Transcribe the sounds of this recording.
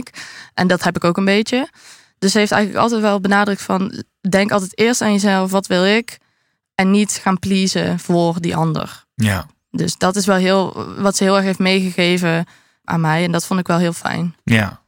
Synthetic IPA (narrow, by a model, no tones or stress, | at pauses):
kʔɛndɑtɦɛpɪkowkənbejt͡ʃə | d̥ɵsɦejftɛ̰jɣənlə̰kɑ̰lˠtɛjtʋɛlˠbənaːdrək̚tfɑn | dɛŋkɑlˠt̬ɛjtɪːɹstaːnjəzɛlˠfʋɑtʋɪlˠɪk | ɛnːitχaːnplizə̰v̥ʊːrdiʔɑndə̰r | a | dɵsdɑtɪsʋɛlˠɦɪːlˠʋɑtsəɦɪːlˠɛɹxɦejftmejχəɣejvə | ʔa̰ːnmɛjɛndɑtfontɪkʋɛlˠɦɪːlˠfɛ̰jna